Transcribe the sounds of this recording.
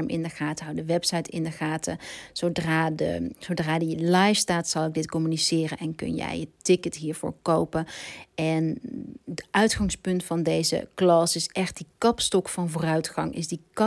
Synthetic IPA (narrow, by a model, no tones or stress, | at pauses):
mʔɪ̰ndəχaːtəɦwdəʋɛpsɑjtɪndəχaːtʰəz̥owdraːdə̰sowdraːdilɑjfstaːtsɑlˠɪɡ̚dɪtkɔmynisɪːrənɛnkɵ̰njɛ̰jətɪkətɦiːɹvʊ̰ːɹkowpənʔɛndəʔœɥtχɑŋspɵntfɑndejzə̰klɑsɪsʔɛχt̚dikɑpstɔkfɑnvʊːrœɥtχɑŋʔɪ̰zdikɑ